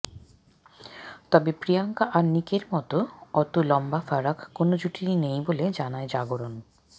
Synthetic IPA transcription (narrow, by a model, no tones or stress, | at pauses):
t̪ɔbepɾijaŋkaʔaɾnikeɾmɔt̪oɔt̪ulɔmbafaɾakʰkonod͡ʑuʈiɾinejboled͡ʑanaed͡ʑaɡoɾon